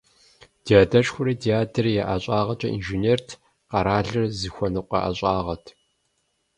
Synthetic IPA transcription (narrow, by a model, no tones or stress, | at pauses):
dʰiaːdɐɕxʷʊɾiːtʰiaːtʰɐrjɛʔaɕʼaːʁɐt͡ʃʼɐʔḭnʒineːrtʰ | qɐɾaːɮɨrzɨxʷɔnɨqʷɐ̰ʔɐ̰ɕʼaːʁɐtʰ